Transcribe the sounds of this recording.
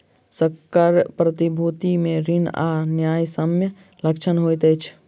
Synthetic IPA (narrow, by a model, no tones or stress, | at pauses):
səkːaɾpɾət̪ibʱut̪imẽɾina̰njaːjsəmjə | ləkt͡ʃʰənɦojt̪ət͡ʃʰ